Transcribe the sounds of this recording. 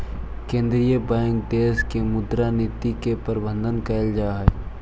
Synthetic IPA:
kẽːnd̪ɾijəbɛ̃ːŋk̚d̪eːskemʊd̪ɾanɪt̪ikepəɾɪbə̃nd̪ənkɛɪld͡ʒaːɦɛ

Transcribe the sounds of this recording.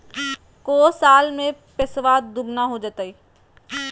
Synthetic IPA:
koːsaːlmẽpɪsʋaːt̪̚d̪uɾnaɦod͡ʒat̪aiː

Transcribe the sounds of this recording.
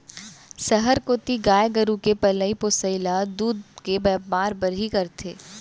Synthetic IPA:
sɐɦəɾkoːt̪iɡaːjɡəɾukepɐləipoːsəɪlad̪uːd̪̚kebɛːaːɾbɐɾikɐɾt̪ʰeː

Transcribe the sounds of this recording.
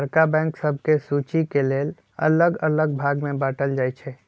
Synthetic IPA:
əɾkabɛ̃ŋksəb̚ʱkesut͡ʃikeleːl | ə̰ləɡələɡbʱaɡmẽbaːʈəld͡ʒajt͡ʃʰɛ

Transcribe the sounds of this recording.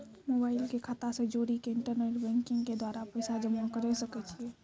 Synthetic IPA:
moːbaːɪlkekʰaːt̪ased͡ʒoːɾikeɪɳʈəɾneːʈbɛ̃ːŋkɪ̃ŋɡked̪waːɾapəjsad͡ʒəmakəɾɛsəkɛt͡ʃʰie

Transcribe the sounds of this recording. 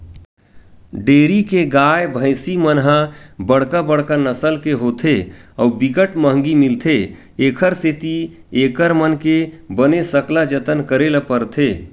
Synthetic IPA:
ɖeɾikeɡajbʱə̃ɪsimənɦãbəɽkabəɽkanəsəlkeɦot̪ʰeəubiɡəʈməɦəŋɡimilt̪ʰe | ekʰəɾset̪i | ekəɾmənkebənesəklad͡ʒət̪ənkəɾelapəɾt̪ʰe

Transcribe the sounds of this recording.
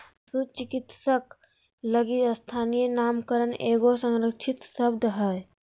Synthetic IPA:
sut͡ʃɪkɪt̪sək | ləɡiəst̪ʰaːnijənaːmkəɾəneːɡosə̃ŋɾəkʃʰɪt̪səbd̪ɦəj

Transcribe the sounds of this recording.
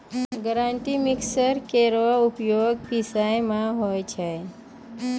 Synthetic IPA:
ɡəɾaɳʈ̪iːmiksəɾkeɾʋaupjoɡpisajmãɦojt͡ʃʰej

